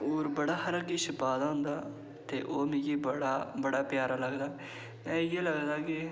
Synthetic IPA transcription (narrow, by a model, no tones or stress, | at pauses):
oːɾbəɽaːhəɾakiʃɪpaːd̪aːɦʊ̃nd̪aː | t̪eːʔoːmɪ̃ɡiːbɽaːbəɽaːpjaːɾaːləɡd̪aː | ɛ̃ːjeːləɡd̪aːkɪ